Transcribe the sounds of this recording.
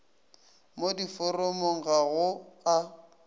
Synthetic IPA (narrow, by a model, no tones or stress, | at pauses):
modifɔrɔmoŋ̩ɣaɣʊa